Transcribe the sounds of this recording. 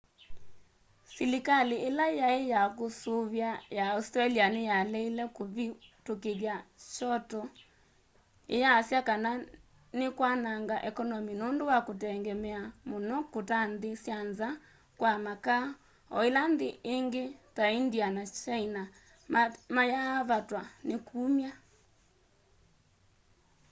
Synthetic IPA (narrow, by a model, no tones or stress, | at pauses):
silikaleelajaejakosoβjajaustɾalianejalɛilɛkoβitokeɣjaʃɔtɔ | ḛjaːsjakana | nekwanaŋɡaʔɛkɔnɔminondowakotɛŋɡɛmɛamonɔkotandesjanza | kwamaka | ɔelandeʔeŋɡetaindianat͡ʃaina | majaβatwanekuːmja